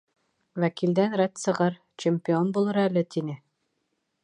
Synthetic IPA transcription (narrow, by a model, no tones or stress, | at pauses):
wækild̪ænɾæt̪sɤ̆ʁɤɾ | t͡ɕemʲpʲionbulˠɤɾælɘt̪inɘ